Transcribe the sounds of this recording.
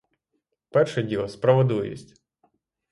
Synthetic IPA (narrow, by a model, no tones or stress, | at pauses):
pɛrʃɛdʲilˠɔspɾɐʋɔd̪ujḭsʲtʲ